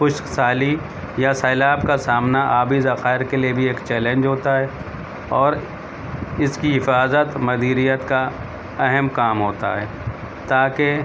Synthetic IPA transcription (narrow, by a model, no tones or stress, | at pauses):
xʊʃksaːli | jasɛːlaːbkasaːmnaʔaːbizɐxaːɪɾkeliebʱieːkt͡ʃɛːlẽɲd͡ʒɦoːt̪aɦɛ | ɔːɾ | ɪskiɦɪfaːzət̪mɐd̪iːɾijət̪ka | ɛɦɛmkaːmɦoːt̪a̰ɦɛː | t̪aːke